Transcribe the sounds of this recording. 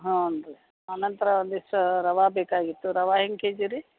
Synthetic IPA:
ɦãonɖɾe | ɐnɐnt̪ɐɾɐnd̪isɐɾɐʋaːbeːkaːɡit̪ːuɾɐʋaːɦiŋkeːd͡ʒiɾi

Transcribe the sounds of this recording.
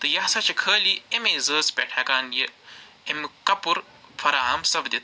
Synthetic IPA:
t̪ɨjɐɦsɐt͡ʃɐkʰəːliemezəːspʲeʈʰakaːnji | emɨkɐpuɾ | pʰɐɾaːɦɐmsɐbd̪it̪ʰ

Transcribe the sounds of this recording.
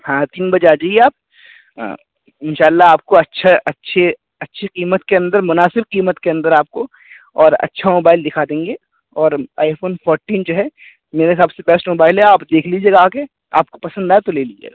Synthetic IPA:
hãːt̪iːnbɐd͡ʒaːd͡ʒaːieaːp̚ː | ɪnʃaːlːaaːp̚koɐtːʃʰaʔɐtːʃʰe | ɐtːʃʰiqiːmət̪keɐ̃nd̪əɾmʊnaːsɪbqiːmət̪keɐ̃nd̪əɾaːp̚ko | ɔːɾɐ̰tːʃʰamoːbaːɪld̪ɪkʰad̪ẽːŋɡe | ɔːɾa̰ːɪfoːnfɔːɾʈiːnd͡ʒoɦɛ | meːɾexaːbsebɛsʈmoːbaːɪlɦɛaːpd̪eːkʰlid͡ʒeːɡaːke | a̰ːp̚kopɐsə̃nd̪aːet̪oleːlid͡ʒḛːɡaː

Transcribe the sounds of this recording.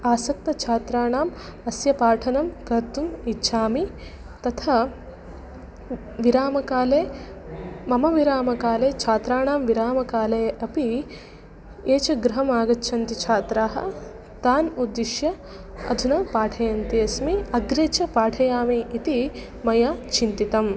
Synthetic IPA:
aːsɐk̚t̪ɐt͡ʃʰaːt̪ɾaːɳaːmɐsjɐpaːʈʰɐnɐmkɐɾt̪umitːʃʰaːmi | t̪ɐt̪ʰa | ʋiɾaːmɐkaːleː | mɐmɐʋiɾaːmɐkaːleːt͡ʃʰaːt̪ɾaːɳaːmʋiɾaːmɐkaːlɐjɐʔɐpi | eːt͡ʃɐɡɾɐɦɐmaːɡɐtːʃʰɐnt̪it͡ʃʰaːt̪ɾaːɦɐ̰ | t̪aːnud̪ːiʃjɐ | ɐ̰d̪ʱunɐpaːʈʰɐjɐnt̪iɐsmiɐɡɾeːt͡ʃʰɐpaːʈʰɐjaːmiːt̪i | mɐjaːt͡ʃʰint̪it̪ɐm

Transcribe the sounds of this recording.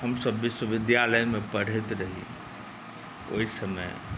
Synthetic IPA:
həmsəbːɪʃwəʋɪd̪jaləjmẽpəɽ̤et̪ɾəɦḭ | o̰ɦisəmə̰j

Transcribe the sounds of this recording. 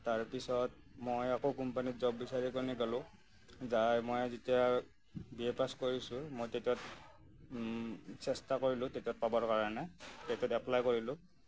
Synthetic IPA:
taɹpisɔt̚ | mojakokumpanitzɔbːisaɹikɔniɡɔlʊ̃ | zajmojzitija | biepaskoɹisʊ̃mojtetɔt̚ | sɛstakoɹilʊ̃tetiɔt̚pabɔɹkaɹɔnɛtetiɔtɛplajkoɹilʊ̃

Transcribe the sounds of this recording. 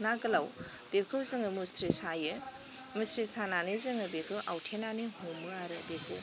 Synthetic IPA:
naɡɐlaw | d̥ekʰɯwzɯŋɯmustɾisajɯ | mustɾisananizɯŋɯbekʰɯʔawtʰenanihumɯaɾɯbekʰɯw

